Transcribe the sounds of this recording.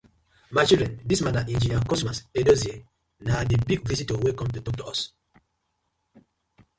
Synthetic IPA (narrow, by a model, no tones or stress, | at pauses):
maɪt͡ʃildɹɛ̃ndismanaʔĩnd͡ʒiniãkɔstmasedozie | nadibiɡ̚visitowɛkɔ̃mtutɔk̚tuɔs